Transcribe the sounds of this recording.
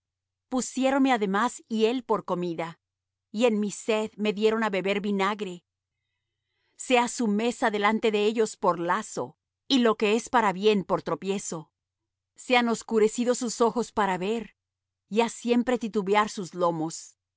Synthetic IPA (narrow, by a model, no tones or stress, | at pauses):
pusjeɾo̞nmeaðe̞masie̞lpo̞ɾko̞miða | ienmise̞ðme̞ðje̞ɾo̞naβe̞βe̞ɾβinaɣɾe̞ | se̞asume̞saðe̞lant̪e̞ðeeʝo̞spo̞ɾlaso̞̰ | ilo̞ke̞e̞spaɾaβje̞npo̞ɾt̪ɾo̞pje̞so̞ | seano̞skuɾe̞siðo̞suso̞xo̞spaɾaβe̞ɾ | jasje̞mpɾet̪it̪uβjaɾsuzlo̞mo̞s